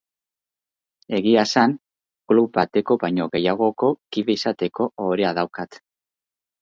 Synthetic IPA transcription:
e̞ɣiasan | klupbat̪e̞ko̞βaɲo̞ɣe̞jaɣ̞o̞ko̞kiβeisat̪e̞ko̞oɾeaðawkat̪

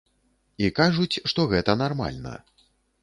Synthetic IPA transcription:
ikaʐut͡sʲʂt̪ɔɣɛt̪ɐnarma̰lʲnɐ̰

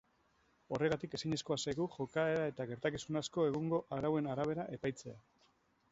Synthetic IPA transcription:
o̞re̞ɣ̞at̪ike̞siɲe̞sko̞asaɣuxo̞kaeɾae̞t̪aɣe̞ɾt̪akisunasko̞e̞ɣ̞uŋɡo̞ʔaɾawe̞naɾaβ̞e̞ɾaʔe̞pajt͡se̞a

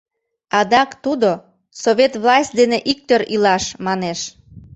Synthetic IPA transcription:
ɑd̪ɑkt̪ud̪o | soβet̪βlɑsʲt̚ʲd̪eneʔik̚t̪øɾilɑʃmɑneʃ

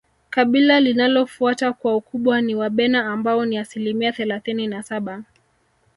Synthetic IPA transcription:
kaɓilalinalɔfuatakwaukuɓwaniwaɓɛnaːmbaɔniasilimiaθɛlaθininasaɓa

